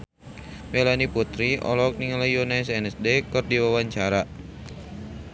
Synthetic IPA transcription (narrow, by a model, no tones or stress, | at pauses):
melaniput̪ɾiʔɔ̰lɔk̚niŋləjonaɛsɛnɛsdekɨrdiwawaɲt͡ʃaɾa